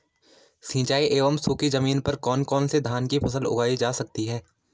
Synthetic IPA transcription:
sĩːt͡ʃaːiʔeːʋəmsuːkizɐmiːnpɐɾkɔːnkɔːnsed̪ʱaːnkipɐsəlʊ̰ɡʱaːid͡ʒaːsɐk̚t̪iɦɛː

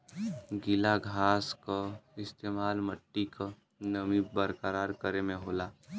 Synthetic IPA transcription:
ɡɪlaɡʱaːskoɪst̪eːmaːlməʈːika | nəmibəɾkəɾaːɾkəɾemẽɦoːlaː

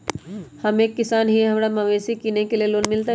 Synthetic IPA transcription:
hɐmeːkːɪsaːnɦiɦɐmɾamɐʋeːsikinekelieloːnmɪlt̪a

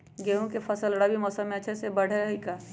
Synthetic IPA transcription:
ɡeːɦõkefʰɐsəlɽabʱimɔːsəmːẽɐːʃʰesebɐɽ̤eɦikaː

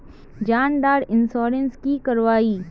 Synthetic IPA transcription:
d͡ʒaːnɖ̪aːɾɪnsɔːɾənskikɐɾʋaːiː

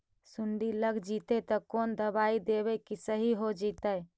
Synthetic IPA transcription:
suɳɖiləɡd͡ʒit̪et̪ɔkond̪əbaid̪ebɛkisəɦiɦod͡ʒit̪ə

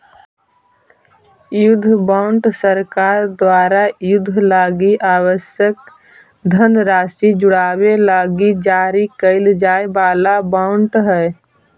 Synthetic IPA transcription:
jʊd̪ʱːəbãːʊɳʈsəɾkaːɾd̪waːɾajʊd̪ʱːlaːɡiʔaːwəsjək̚ | d̪ʱənɾaːsid͡ʒʊɽaːwelaːɡid͡ʒaːɾikəɪld͡ʒaːebaːlabaːʊɳʈɦɛː

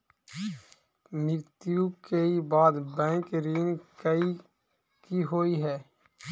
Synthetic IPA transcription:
mɪɾt̪jukeibaːd̪bɛ̃ːŋkɾiːnkəi | kiɦoːiɦɛː

